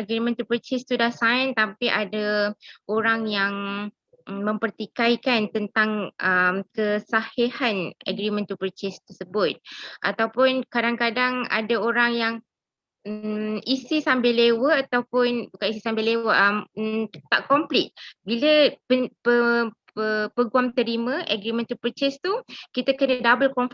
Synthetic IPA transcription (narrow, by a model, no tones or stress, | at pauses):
ʔəɡɾimə̃nt̪upɾət͡ʃɪst̪udahsajnt̪ampiʔadaʔoɾaŋjaŋ | mə̃mpərt̪ikajkant̪ənt̪aŋʔəmkəsahehanə̰ɡɾimə̃nt̪upɾit͡ʃɪst̪ərsəbʊt̪̚ʔa̰t̪awpʊnkadaŋkadaŋa̰daoɾaŋjaŋ | isisambɪlewəat̪awpʊnbukanisisambɪlewəʔəmt̪aʔkɔmplɪt̪̚biləpəpə | əpəɡuamt̪əɾimə̃ʔəɡɾimə̃nt̪upət͡ʃɛst̪ukit̪akənədabəlkɔɱf